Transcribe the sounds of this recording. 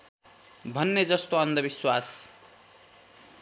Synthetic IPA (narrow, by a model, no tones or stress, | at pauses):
bʱʌnːed͡zʌst̪oʌnd̪ʌbiswas